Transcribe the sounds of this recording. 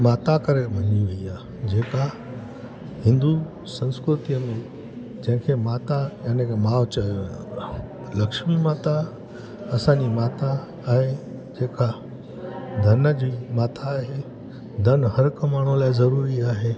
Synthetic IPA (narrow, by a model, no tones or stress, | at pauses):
maːt̪akɐɾeʋɐɲiʋɐiaː | d͡ʑeːka | hɪ̃nd̪u | sɐ̃nskɾʊt̪ijəmẽ | d͡ʑɐ̃ɦɪ̃kʰemaːt̪ajaːnekmaːʋt͡ɕɐjoʋaː | lɐkʃmimaːt̪a | ɐsãɲd͡ʑimaːt̪aː | ɦed͡ʑeːka | d̪ʱɐnəd͡ʑiːmaːt̪ʰaːɦe | d̪ʱɐnɦɐɾkmaːɳ̤ũlaːɪzɐɾuːɾiaːɦeː